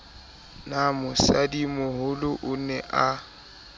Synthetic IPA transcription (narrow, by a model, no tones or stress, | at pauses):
namʊsadimʊɦʊlʊʔʊnɛʔa